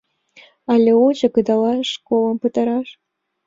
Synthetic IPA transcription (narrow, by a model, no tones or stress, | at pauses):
ɑlʲeuʑɤ̆kəd̪ɑlɑʃkolˠə̆mpət̪ə̆ɾɑʃ